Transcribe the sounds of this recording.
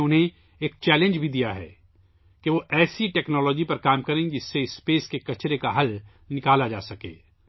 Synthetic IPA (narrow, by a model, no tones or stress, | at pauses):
ʊnɦẽ | eːk̚t͡ʃɛːlẽnd͡ʒbʱid̪ijaɦɛ̰ː | keʋoʔɛːsiʈɛːknɔːlɔːd͡ʒipɐɾkaːmkɐɾẽd͡ʒɪsːeɪsːpeːskekɐt͡ʃɾekaɦɐl | nɪkaːlad͡ʒa̰ːsɐkḛː